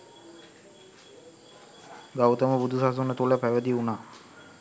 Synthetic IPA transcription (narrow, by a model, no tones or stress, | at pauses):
ɡawt̪əməbud̪ʱusas̬unət̪uləpæʋəd̪iunaː